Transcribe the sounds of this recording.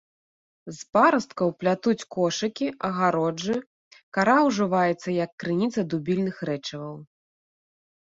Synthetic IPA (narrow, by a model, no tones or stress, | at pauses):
zpaɾɐst̪kɐwplʲat̪ut͡sʲkɔʂɨkʲiʔɐɣaɾɔd͡ʐɨ | kaɾawʐɨvajɛt̪sːɐjɐkːɾɨnʲit̪sɐd̪ubʲilʲnɨxɾɛt͡ʂɐvɐw